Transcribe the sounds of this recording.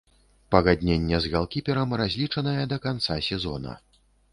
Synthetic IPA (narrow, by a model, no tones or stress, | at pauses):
pɐɣad̪ʲnʲenʲːɛzɣalˠkʲipʲɛɾɐmrazʲlʲit͡ʂɐnɐjɛd̪ɐkant̪sasʲɛzɔ̰nɐ̰